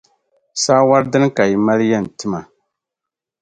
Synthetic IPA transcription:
saː˦wa˦ɾdɨ˦n˦ka˨ji˨ma˦ljɛ˦n̩˨tɨ˦ma˨

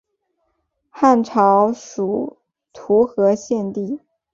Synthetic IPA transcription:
xa˥˩nʈ͡ʂʰɑ˧˥ʊʂu˨˩ | t̪ʰu˧˥xɤ˧˥ɕjɛ˥˧nt̪i˥˩

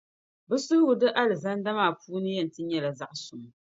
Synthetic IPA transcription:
bɨ˦sʊ˦ɡʊ˨dɨ˦ʔa˦lɨ˨za˦n˦da˦maː˦˨puː˦nɨ˦jɛ˦˨n̩˨tɨ˦ɲɛ˦la˨za˦ʔsʊ˨m˨

